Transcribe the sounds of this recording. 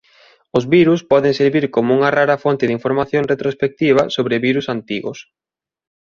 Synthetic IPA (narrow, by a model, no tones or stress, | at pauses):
ʊzβiɾuspɔðɪŋseɾβiɾkomʊuŋɐraɾɐfont̪ɪðiɱfoɾmaθjoŋret̪ɾospek̚t̪iβɐsoβɾɪβiɾusant̪iɣʊ̰s